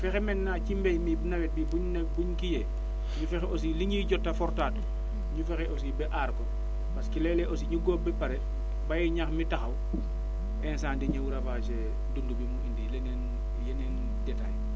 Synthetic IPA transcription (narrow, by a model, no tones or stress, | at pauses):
fɛxɛmɛnːacimbɛjmibnɐwɛt̚bipuɲnapuɲkijɛ | ɲufɛxɛos̬iliɲiɟɔtːafɔɾtaːtu | ɲufɛxɛʔosibɛʔaːɾkɔ | paskilɛlɛʔos̬iɲuɡɔːbɛpaɾɛ | bajɛɲaxmitaxɐw | ɛnsaːndiɲɐwuɾafaːt͡ʃe | dundubumuindilenɛn | jenɛn | dɛtaj